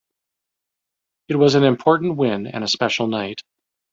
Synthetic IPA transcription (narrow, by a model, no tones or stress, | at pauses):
ɨt̚wʌzɨ̃nɨ̃mpʰɔɹʔn̩ʔwɪ̃nɨ̰̃nɨspɛʃl̩ˠnaɪt̚